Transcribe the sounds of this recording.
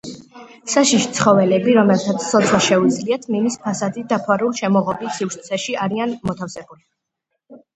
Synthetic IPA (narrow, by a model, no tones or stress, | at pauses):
saʃiʃt̪sʰχɔvɛlɛbiɾɔmɛlt̪ʰat̪sʰsʰɔt̪sʰwaʃɛud̪zliat̪ʰmimispʰasad̪id̪apʰaɾulʃɛmɔʁɔbisifɾt̪sʰɛʃiʔaɾianmɔt̪ʰafsɛbuli